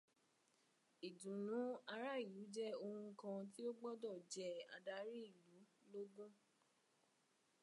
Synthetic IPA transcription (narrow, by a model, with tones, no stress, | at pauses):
i˨dũ˨nũ˨˦a˧ɾa˦˨ju˨˦d͡ʒɛ˦o˧hũ˧kã˧t̬i˦o˦ɡ͡bɔ˦dɔ˦˨d͡ʒɛ˨˦a̰˨da˧˦ɾi˦i˦˨lu˨˦lo˦ɡũ˦